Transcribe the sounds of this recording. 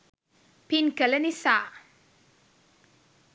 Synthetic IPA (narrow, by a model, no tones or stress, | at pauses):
pinkələnisaː